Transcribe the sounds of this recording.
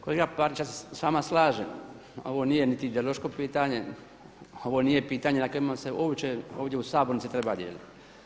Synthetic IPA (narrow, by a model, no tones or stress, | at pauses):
koleɡapaɾit͡ʃasesʋaːmaslˠaːʒe | o̞̰ʋo̞nijenit̪iːd̪eoloʃko̞piːt̪aɲe̞ | o̞ʋonijepiːt̪aːɲenakoimaseoːʋt͡ʃeoːʋd̪ʲjeusaːboɾnit̪sit̪ɾebad̪jeːlḭt̪